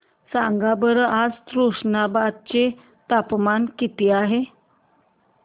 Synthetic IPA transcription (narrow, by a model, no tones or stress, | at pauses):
sãŋɡabəɾəʔad͡zt̪ɾuʂnabad̪̚t͡ɕe | t̪apmankit̪iaɦe